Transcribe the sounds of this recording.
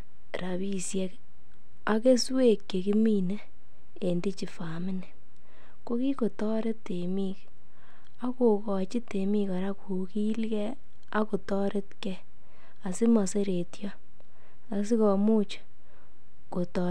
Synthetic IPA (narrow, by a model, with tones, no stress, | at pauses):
ɾa˨βi˦sje˦k | a˨ke˦swe˦˨kːe˨ki˦mi˦ne˦ | e˨ndi˦t͡ʃi˨fa˨mɪ˦nɛ˨ | ko˦ki˦ko˨tɔ˦ɾe˦te˨mi˦k | a˦ko˨kɔ˨t͡ʃi˦te˨mi˧kɔ˨ɾa˦ku˨ki˦lkɛ˦ | a˦ko˨tɔ˦ɾe˦tkɛ˦ | a˨sɪ˦mɔ˨se˦ɾe˨tjɔ˦ | a˨s̬i˦kɔ˨mu˦t͡ʃ | ko˨tɔ